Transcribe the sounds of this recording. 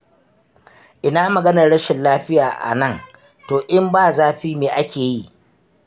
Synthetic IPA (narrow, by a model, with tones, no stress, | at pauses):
ʔɪ˦naː˦mɐ˨ɡɐ˦nɐ˨ɽɐ˦ʃɪ˨nlaː˦ɸɪ˦jaː˨ʔa̰˨nɐ˦˨ŋ | toː˨ʔɪ˦mbaː˦˨zaː˦ɸiː˦meː˨ʔa˦kʲeː˨ji˦ʔ